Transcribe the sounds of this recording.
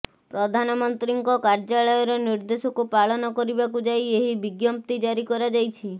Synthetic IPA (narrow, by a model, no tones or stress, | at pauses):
pɾɔd̪ʱanɔmɔnt̪ɾiŋkɔkaɾd͡ʒaɭɔjɔɾɔniɾd̪esɔkupaɭɔnɔkɔɾibakud͡ʒajeɦibiɡjɔmp̚t̪id͡ʒaɾikɔɾad͡ʒajt͡ʃʰi